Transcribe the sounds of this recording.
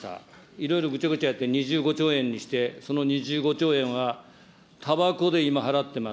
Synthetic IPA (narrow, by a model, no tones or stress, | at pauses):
a̰ | iɾo̞iɾo̞ɡɯ̟t͡ɕaɡɯ̟t͡ɕajat̪ːeɲ̟iʑɨːɡo̞t͡ɕo̞ːẽ̞ɲ̟ːiɕi̥t̪e̞so̞no̞ɲ̟iʑɨːɡo̞t͡ɕo̞ːẽ̞ɰ̃βa | t̪ʰabako̞d̪e̞imaɦaɾat̪ːe̞ma